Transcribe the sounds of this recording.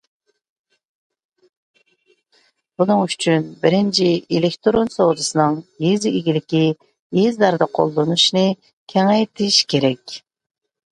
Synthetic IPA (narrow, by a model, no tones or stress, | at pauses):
b̥unɨŋyt͡ʃʰynbɪɾɪnt͡ʃʰiilɪkʲt̪ʰoɾonsowd̪ɨsɨnɨŋjeziiɡʲilɪkʲi | jezd̪ɑɾd̪ɑqʰo̰lˠd̪onuʃnɨ | kʲʰɛŋɛjt̪ʰɪʃkʲʰeɾɛkʲ